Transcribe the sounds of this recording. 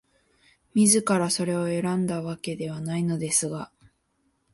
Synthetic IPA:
mʲizɨkaɾaso̞ɾe̞o̞e̞ɾãnd̪aβake̞d̪e̞β̞anaino̞d̪e̞sɨɡa

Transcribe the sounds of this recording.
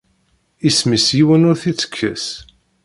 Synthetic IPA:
ismisjiwənʊɾθit͡sːə̥kʰːə̰s

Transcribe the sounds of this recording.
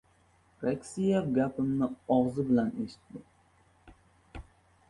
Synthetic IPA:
ɾakʲsijefɡʲapʰɪmnɪɒʁzɪbɪlaneʃɪ̥t̪ːɪ

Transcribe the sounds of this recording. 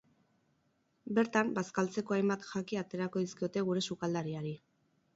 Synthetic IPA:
be̞ɾt̪ambaskalt͡se̞ko̞ajmbat̪ʝakiat̪e̞ɾako̞ðiskio̞t̪e̞ɣ̞uɾe̞sukald̪aɾiaɾi

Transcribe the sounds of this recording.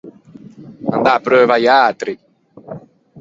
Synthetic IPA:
a̰nd̪apɾøːvajat̪ɾi

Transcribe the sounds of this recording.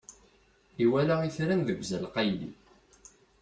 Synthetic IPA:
iwælaiθɾænðəɡʷzælqɑjlḭ

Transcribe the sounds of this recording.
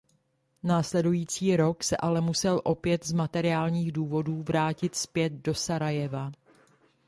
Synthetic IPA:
naːslɛdujiːt͡siːɾo̞ksɛʔalɛmusɛlʔo̞pjɛt̪zmat̪ɛɾɪaːlɲiːɣduːvo̞duːvɾaːcɪt̪spjɛd̪̚do̞saɾajɛva

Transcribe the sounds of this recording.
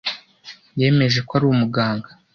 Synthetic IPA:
je̞ːme̞ʒe̞kwaɾuːwumuɡaːŋɡa

